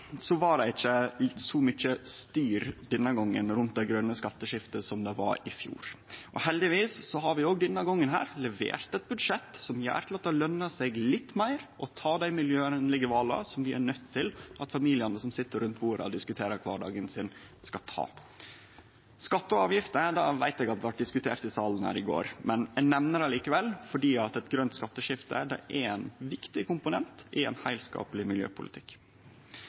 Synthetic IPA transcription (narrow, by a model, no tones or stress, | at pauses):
sɔʋɑɖɛɪt͡ʃːəlɪsɔmʏt͡ʃːəst̪yːɾd̪ɛnːəɡɔŋːə̰nɾʉnt̪̚d̪ɛɡɾœnːəskɑt̪ːəʂɪft̪əsɔmd̪ɛʋɑ̰ɾɪfjṵːɾʔɔhɛld̪ɪʋiːsːɔɦɑɾʋɪoːɡd̪ɛnːɑɡɔŋːənɦæ̰ːɾlɛʋḛːɾt̪ɛt̪̚bʉd̪ʂɛt̪ːsɔmjæ̰ːɾt̪ʰɪlɑt̪ːɑlœnːɑsɛɡlɪt̪ːmæɪɾʔɔt̪ʰɑːd̪æɪmɪljøːənlɪɡəʋɑːlɑ̰sɔmʋɪʔæ̰ɳœt̪ʰːɪlʔɑt̪fɑmiːlɪɑnəsɔmsɪt̪ːəɾʉnt̪buːɾɑ̰ɔd̪ɪskʉt̪ʰeːɾəɾkʰʋɑːɖɑ̰ːɡənsɪn | skɑt̪ʰɑ̰ː | skɑt̪ːəɑːʋjɪft̪əd̪ɑːʋæɪt̪ɛɡɑt̪̚ɛʋɑʈ̚d̪ɪskʉt̪ʰḛːʈt̪ɪsɑːln̩hæ̰ːɾɪɡo̰ːɾmɛnɛnɛmnəɾɑliːkəʋɛlːfɔɖiːɑt̪ɛt̪ɡɾœnt̪skɑt̪ːəʂɪft̪ə̰d̪ɛ̰ʔæɛnʋɪkt̪ɪkʰʊmpʊnɛnt̪ɛɛ̰nhæɪlskɑ̰ːpəlɪmɪljø̰ːpʰʊlɪ̰t̪ʰɪk